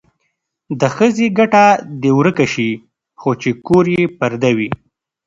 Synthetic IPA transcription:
d̪əxəzeɡaʈad̪ewɾəkaʃi | xot͡ʃekoɾjepaɾd̪awi

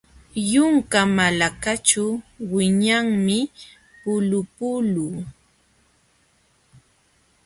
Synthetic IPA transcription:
jʊŋkamalakat͡ʃawɪɲaŋmɪ | pʊlʊpʊluː

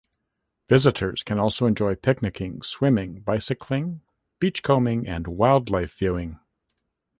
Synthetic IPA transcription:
v̥ɪzɨɾə˞z̥kʰɨ̃nɔlˠsoʊɨ̃nd͡ʒɔɪpʰɪk̚nɨkʰɪ̃ŋswɪ̃mɪ̃ŋbaɪsɨkʰlɪ̃ŋ | b̥it͡ʃkʰõʊ̃mɪ̃ŋɨ̰̃nwaɪlˠdˡlaɪfv̥jʉɪ̃ŋ

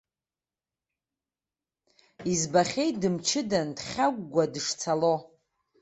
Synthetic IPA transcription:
izbaχʲe̞jtdɨmt͡ʃʰɪdandχʲaɡ̚ʷɡʷadɨʂt͡sʰalo

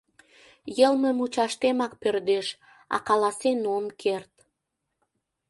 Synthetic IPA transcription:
jəlməmut͡ɕɑʃt̪emɑk̚pørd̪eʃ | ɑ̰kɑlɑsenomkʰert̪

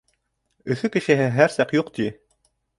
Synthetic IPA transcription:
ɵ̆θɵkɘ̆ʃɘ̆ɦɘɦæɾsɑqjuqt̪i

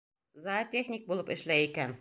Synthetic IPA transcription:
zat̪ʲexnʲik̚bulˠɤpɘ̆ʃlæjikæn

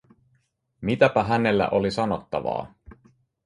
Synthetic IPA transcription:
mit̪æpæɦæne̞lːæ̰ʔo̞lisɑnot̪ːɑʋɑ̰ː

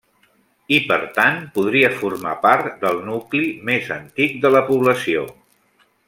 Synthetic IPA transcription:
ipəɾt̪anpuð̞ɾiəfurmapaɾt̪d̪əlˠnuklimezənt̪ik̚d̪ələpuβləsio̰

